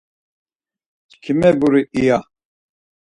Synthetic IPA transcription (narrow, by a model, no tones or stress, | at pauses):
t͡ʃkʰimɛbuɾiija